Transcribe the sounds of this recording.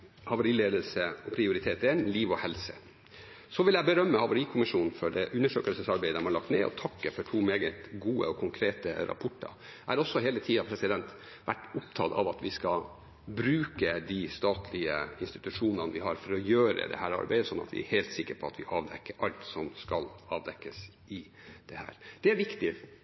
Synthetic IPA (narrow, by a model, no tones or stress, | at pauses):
hɑʋəɾiːleːd̪əlsəɔpʰɾɪʊɾɪt̪ʰeːt̪ɛnliːʋɔhɛlsə | sɔʋɪljæɪbəɾœmːəhɑʋəɾiːkʰʊmɪʂuːnn̩fɔɖɛʔʉnːəʂø̰ːkəlsəsɑɾbæɪd̪æmɑɭɑkt̪nɛːɔ̰t̪ʰɑkːəfɔʈʰuːmeːɡət̪ɡuːə̰ɔkʰʊŋkʰɾeːt̪ə̰ɾʔɑ̰pʰɔʈːɑ̰ɾ | ʔæɾɔsːɔɦeːlət̪ʰiːɑpʰɾɛsɪd̪ɛnt̪ | ʋæʈːʊpt̪ʰɑt̪ɑ̰ʋɑt̪ʋɪskɑ | bɾʉːkəd̪ist̪ɑːt̪ʰlɪəɪnst̪ɪt̪ʉʂuːnənʋɪhɑɾfɔɾɔjøːɾə̰d̪ɛ̰hæːɾɑ̰ɾbæɪd̪əsɔnːɑ̰t̪ʋɪ̰æ̰ɾheɪlt̪sɪkːəɾpʰɔɑt̪ʋɪʔɑːʋd̪ɛkːəɾʔɑlt̪sɔmskɑlɑːʋd̪ɛkːəs | ɪ | d̪̥ɛhæ̰ːɾd̪̥ɛæɾʋɪkt̪ɪ